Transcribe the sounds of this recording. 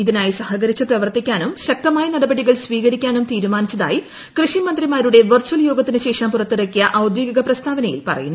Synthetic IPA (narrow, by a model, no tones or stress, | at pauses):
iðinaːjisɐhɐɣɐɾit͡ɕːɨprɐʋɐrt̪ikʲːaːnumɕɐk̚t̪ɐmaːjɐnɐɽɐbɐɽiɣɐɭsʋiːɣɐɾikʲːaːnumt̪iːɾumaːnit͡ɕːɐða̰ːji | krɨʂimɐnd̪rimaːɾuɽe̞ʋɐrt͡ɕuwɐljo̞ːɡɐt̪ːinɨɕe̞ːʂɐmpurɐt̪ːiɾɐkːijɐʔɐwd̪joːɡɐɣɐprɐst̪ʰaːʋɐnɐjḭlpɐ̰rɐ̰junː